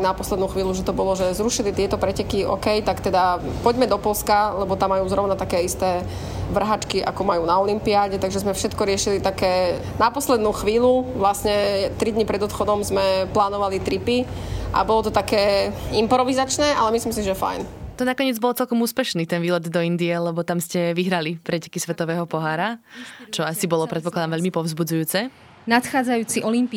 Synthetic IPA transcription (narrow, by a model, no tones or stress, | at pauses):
napɔslɛd̪nuːxʋiːluʒɛt̪ɔbɔlɔʒɛzɾuʃilit̪ɪɛt̪ɔpɾɛcɛkiʔɔ̰kɛjt̪akt̪ɛd̪apɔɟmɛd̪ɔpɔlskalɛbɔt̪amːajuːzɾɔʊnat̪akɛːist̪ɛː | ʋr̩ɦat͡ʃkiʔa̰kɔmajuːnaɔlimpiaːɟɛt̪aɡʒɛzmɛfʃɛt̪kɔɾɪɛʃilit̪akɛː | napɔslɛd̪nuːxʋiːluʋlasɲɛt̪ɾid̪ɲipɾɛd̪ɔt̪xɔd̪ɔmzmɛplaːnɔʋalit̪ɾipiʔa̰bɔlɔt̪ɔt̪akɛːimpɾɔʋizat͡ʃnɛːʔalɛmislims̬iʒɛfa̰jnt̪ɔnakɔɲɪɛd͡zbɔlt͡sɛlkɔmuːspɛʃniːt̪ɛnʋiːlɛd̪d̪ɔind̪iɛlɛbɔt̪amscɛʋiɦɾalipɾɛcɛ̥kisʋɛt̪ɔʋɛːɦɔpɔɦaːɾat͡ʃɔasibɔlɔpɾɛt̪̚pɔklad̪amʋɛʎmipɔʊzbud͡zujuːt͡sɛ | nat̪xaːd͡zajuːt͡siʔɔlimpi